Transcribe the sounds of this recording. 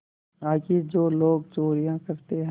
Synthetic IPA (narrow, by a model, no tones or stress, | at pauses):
aːkid͡ʒoːloːɡt͡ʃoːɾijãkɐɾt̪eɦɛ̃